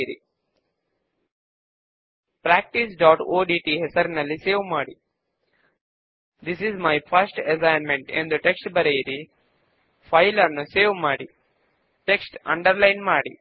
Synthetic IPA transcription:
ɾḭ | pɾæːk̚ʈisɖaːʈoːɖiːʈiɦesɐɾnɐlːiseːʋmaːɽi | d̪isizmajfʰɐɾsʈes̬ãjnmẽɳʈḭ̃nd̪əʈeksʈbɐɾejiɾi | fʰaɪlɐɾnuseːʋmaːɽi | ʈeksʈɐ̰̃ɳɖɐɾlãɪnmaːɽḭ

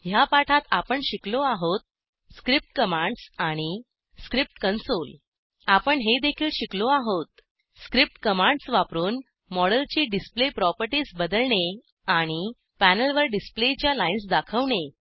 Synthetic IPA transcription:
ɦjapaʈʰat̪apəɳɕikloaɦot̪̚ | skɾip̚ʈkəmãɳɖsaɽ̃i | skɾip̚ʈkənsol | apəɳɦed̪ekʰiːlɕikloaɦot̪̚ | skɾip̚ʈkəmãɳɖsʋapɾuːn | mɔɽəlt͡ɕiːɖisplepɾɔpəɾʈiːsbəd̪əlɳe | aɽ̃i | pænəlʋəɾɖisplet͡ɕjalainsd̪akʰəʋɳe

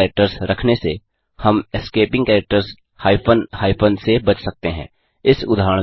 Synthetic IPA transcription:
ɾɛk̚ʈəɾsɾɐkʰnese | hɐmɪskeːpɪ̃ŋɡkɛːɾɛk̚ʈəɾs | haːɪpənhaːɪpʰənsebɐt͡ʃʰsɐk̚t̪eɦɛ̰̃ː | ɪsʊd̪ʱaːɾəɳ

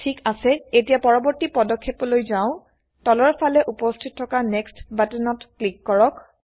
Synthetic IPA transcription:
tʰikasɛetijapɔɹɔbɔɹtipɔdɔkʰːepɔlojzaʊ̃ | tɔlɔɹpʰalɛʔupɔstʰitʰːɔkanɛkstbatɛnɔtklikːɔɹɔk

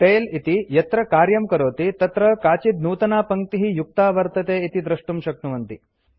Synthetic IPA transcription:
ʈeːlit̪ijɐt̪ɾɐkaːɾjɐmkɐɾoːt̪it̪ɐt̪ɾɐkaːt͡ʃid̪nuːt̪ɐnaːpɐŋ̚t̪iɦijuk̚t̪aːʋɐɾt̪ɐt̪eːit̪id̪ɾɐʂʈumʃɐknuʋɐnt̪i

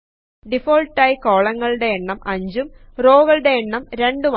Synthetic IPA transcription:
ɖifoːɭʈːɐjko̞ːɭɐŋːɐɭɨɽe̞ːɳːɐmʔɐɲd͡ʑum | roːɣɐɭɨɽe̞ːɳːɐmɾe̞ɳɖum

